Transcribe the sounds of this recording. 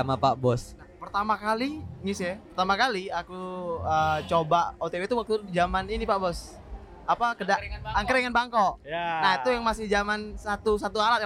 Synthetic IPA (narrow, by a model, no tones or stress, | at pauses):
amapaʔbɔsnahpərt̪amakaliŋisɛpərt̪amakaliakuət͡ʃobaʔot̪ebet̪uwak̚t̪ud͡ʒamaninipaʔbɔs | apakədaaŋkəɾeŋanbaŋkoʔnait̪ujaŋmasɪhd͡ʒamansat̪usat̪uaɾat̪̚ja